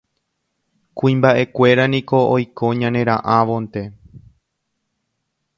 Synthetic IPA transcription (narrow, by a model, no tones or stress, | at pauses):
kũĩmbaʔe̞kʷe̞ɾanĩko̞ojkʰo̞ɲãnẽ̞ɾãʔãʋo̞nt̪e̞